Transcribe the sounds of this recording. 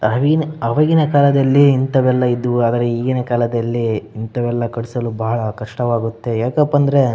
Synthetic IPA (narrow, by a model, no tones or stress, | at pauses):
ɐʋiinɐʋɐɡinɐkaːlɐd̪ɐlːiːnt̪ɐʋɛlːɐid̪uaːd̪ɐɾeiːɡinɐkaːlɐd̪ɐlːiːnt̪ɐʋɛlːɐkɐɽisɐlubɐɦɐɭɐkɐʂʈɐʋaːɡut̪ːe̞jaːkɐpːɐnd̪ɐɾe̞